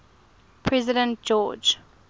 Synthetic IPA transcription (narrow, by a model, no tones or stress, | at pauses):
pʰɹɛzɪdɛ̃nt̚d͡ʒɔd͡ʒ